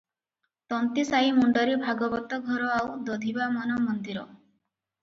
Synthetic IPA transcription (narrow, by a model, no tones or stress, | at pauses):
t̪ɔnt̪isaimuɳɖaɾibʱaɡɔbɔt̪ɔɡʱɔɾɔawd̪ɔd̪ʱibamɔnɔmɔnd̪iɾɔ̰